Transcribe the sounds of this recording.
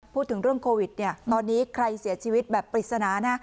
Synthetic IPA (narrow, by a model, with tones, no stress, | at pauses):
uː˥˩t̪ʰːɯ˩˦ŋɾɯ˥˩əŋkʰoː˧wi˨˩t̪̚ni˥˩ɐt̪ɔː˧nːiː˦˥kʰɾa˧jsi˩˦ɐt͡ɕʰiː˧wi˦˥t̪̚bɛː˨˩pːɾi˨˩t̪̚sa˧naː˩˦na˦˥